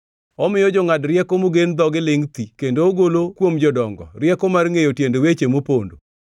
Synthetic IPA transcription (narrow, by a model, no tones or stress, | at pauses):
ɔmɪjɔd͡ʒɔŋadrɪɛkomoɡend̪ɔɡɪlɪŋt̪ikendoːɡolokwomd͡ʒɔdɔŋɡɔ̰rjɛkomarŋejotjendowet͡ʃemopondo